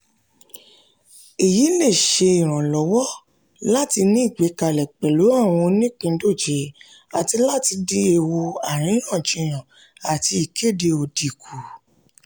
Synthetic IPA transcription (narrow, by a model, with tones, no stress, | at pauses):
i˨ji˨˦le˦˨ʃe˧i˨ɾ̃ã˨lɔ˨˦wɔ˦ | la˦ti˧nĩ˦i˦˨ɡ͡be˨˦ka˨lɛ˨k͡pɛ˨lo˨˦a˦˨w̃ɔ̃˧nĩ˦k͡pĩ˧˦do˦˨d͡ʒe˨˦ | a˨ti˧la˦ti˧de˦e˧˨wo˧a˨ɾ̃ĩ˨˦j̃ã˦˨d͡ʒĩ˧˨j̃ã˨ | a˨ti˧i˨kʰe˦˨de˧o˧di˨kʰu˨